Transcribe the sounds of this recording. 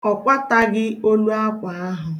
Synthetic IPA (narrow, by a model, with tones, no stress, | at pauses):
ɔ˨kʷa˦ta˦ɡɪ˦o˦lu˦a˦kʷa˨a˦ɦʊ˨